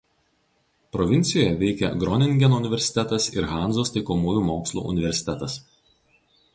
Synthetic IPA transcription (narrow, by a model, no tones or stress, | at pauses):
pɾɔʋʲɪnʲt̪sʲɪjoːjɛʋʲɛɪkʲɛ̰ɡɾɔnʲɪŋʲɡʲɛnoʊnʲɪʋʲɛɾʲsʲɪ̥t̪ʲɛt̪ɐsɪɾɣɑˑnzoːst̪ɐɪkomuːjuːmoːkslˠṵːʔʊ̰nʲɪʋʲɛɾʲsʲɪ̥t̪ʲɛt̪ɐs